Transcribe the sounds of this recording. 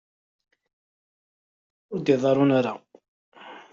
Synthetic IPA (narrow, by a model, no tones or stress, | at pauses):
ʊɾd̪iðˤɑɾˤʊnaɾa